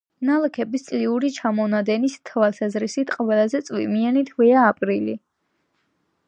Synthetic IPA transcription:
nalˠɛkʰɛbist̪sʼliuɾit͡ʃʰamɔnad̪ɛnist̪ʰvalˠsazɾisit̪ʰqʼɔvɛlazɛt̪sʼwḭmianit̪ʰvɛaːpʼɾili

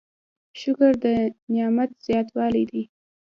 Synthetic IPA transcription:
ʃʊkʊɾd̪ənjɑmat̪z̥jɑt̪wɑlid̪i

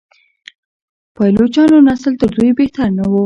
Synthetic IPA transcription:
pɑjlot͡ʃɑnonasəlt̪əɾd̪ujbeht̪aɾnawu

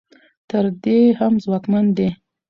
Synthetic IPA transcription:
t̪əɾd̪ehamzwɑkmand̪e

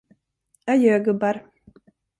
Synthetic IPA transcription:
ajøːɡɵbaɾ

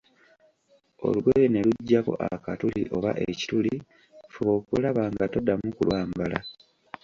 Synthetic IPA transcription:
o̞̰luɡweɾene̞luɟːako̞̰ʔakatuliʔo̞βa̰ʔeci̥tuli | fuβo̞ːkulaβaːŋɡatodːamukulwaːmbala

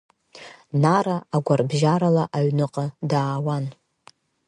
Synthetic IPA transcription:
naɾaaɡʷarbʒaɾalaʔaɥnɨqʼadaːwan

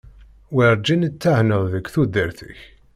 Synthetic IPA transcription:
wiɾˤd͡ʒinət͡sːahnəðˤðəkːθud̪ːəɾθə̰ç

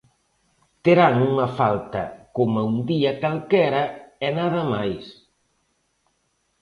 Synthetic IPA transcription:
t̪eɾaŋuŋɐfalt̪ɐ̰komaund̪iɐkalkɛɾɐɛnaðɐmajs

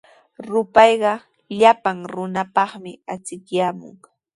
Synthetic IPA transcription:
ɾʊpɑjɢɑ | ʎapaŋɾʊnapɑχmɪat͡sɪkjaːmʊ̰ŋ

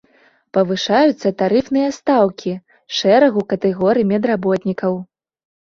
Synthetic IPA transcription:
pɐvɨʂajut̪sːɐt̪aɾɨfnɨjɐst̪awkʲi | ʂɛɾɐɣukɐt̪ɛɣɔɾɨmʲɛd̪rabɔt̪nʲikɐw

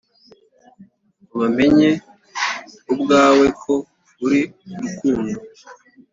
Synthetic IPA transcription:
uβame̞ɲe | ubɡaːwekʰo̞ | βuɾiukuːɲe

